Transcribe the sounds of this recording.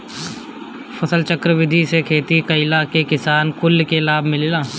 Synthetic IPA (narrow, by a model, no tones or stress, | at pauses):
fɐsəlt͡ʃəkɾəʋɪd̪ʱisekʰeːt̪ikɐɪlakekɪsaːnkʊlkelaːbʱmɪlːlaː